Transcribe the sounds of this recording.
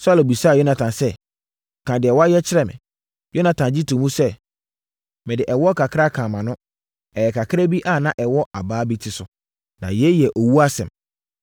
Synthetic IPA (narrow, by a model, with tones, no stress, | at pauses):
sʊ˦a˦lo˨bi˨saː˦˨jo˦nã˨tʰã˨nsɛ˦˨ | kʰã˨dɪ˨ɛ˨wɔ˦a˦jɛ˦t͡ɕʰɪ˦ɾɛ˨mɪ̰̃˨ | jo˦nã˨tʰã˨nd͡ʑi˦tʰũ˨mũ˦sɛ˦ | mɪ̃˨dɪ˨ʔɛ˨wɔ˦kʰa˨kʰa˦kʰã˨mã˨nʊ̃˦ | ɛ˨ɛ˨kʰa˨kʰɪ˦ɾa˦bi˦ʔa˦˨nã˦ʔɛ˨wɔ˦ʔa˨baː˨˦bi˦tʰɪ˨sʊ˨ | nã̰˨jɛ˨˦jɛ˨ʔo˨wu˦a˦sɛ̰̃˨m